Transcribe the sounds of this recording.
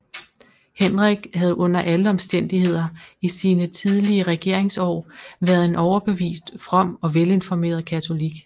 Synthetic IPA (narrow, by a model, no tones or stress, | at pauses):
henʁɛɡ̥hæð̞̩ˠʔɔ̽n̰ɐʔæləɒ̽msd̥en̰d̥ihe̝ð̞̰ˠɐisiːnət͡sʰið̞ˠliəʁɛɡ̥e̝ɐe̝ŋsɒ̰ːʋæɐð̞ˠe̝nʔɒʊɐb̥e̝ʋḭːsd̥fʁɒ̽m̰ɒ̽ʋele̝nfɒme̝̰ːɐð̞ˠkʰæt͡sʰo̝liɡ̥